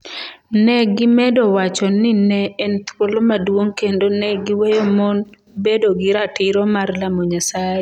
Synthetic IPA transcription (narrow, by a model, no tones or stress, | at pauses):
nɛɡɪmɛdɔwat͡ʃɔnɪnɛɛnt̪wolomadwoŋkendonɛɡɪwɛjɔmɔn | bedoɡɪɾatɪɾɔmarlamɔɲasaje